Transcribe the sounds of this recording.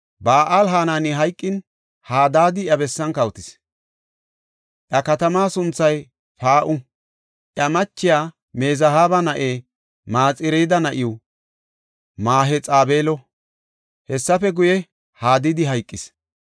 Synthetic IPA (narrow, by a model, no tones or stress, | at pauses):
baːʔaːlɦaːnaːnɪɦɐjkʼːɪn | haːd̪aːd̪ɪjɐbɛsːɐnkɐwt̪ɪs | ʔjɐkɐt̪ɐmaːsʊnt͡sːɐj | paːʔʊ | ʔjɐmɐt͡ʃːɪjaː | meːzɐhaːbɐnɐʔeː | maːt͡sʼɪɾejd̪ɐnɐʔɪʊ | maːɦɛt͡sʼaːbeːlɔ | hɛsːɐfɛɡʊjɛ | haːd̪ɪd̪ɪɦɐjkʼːɪs